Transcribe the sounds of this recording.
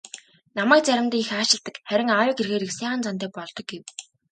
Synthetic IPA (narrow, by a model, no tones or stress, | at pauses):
namæːk̚t͡sæɾʲɪ̆mt̪iːŋixaːt͡ɕɪ̆ɮt̪ə̆kχæɾʲɪ̆ŋawʊːkerxeːɾiksaːʁə̆nt͡sant̪̬æːpɔɮt̪ɞ̆k̚ɡew